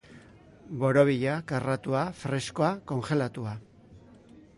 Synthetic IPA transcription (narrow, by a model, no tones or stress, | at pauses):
bo̞ɾo̞βiʎakarat̪uafɾe̞sko̞ako̞ŋxe̞lat̪ua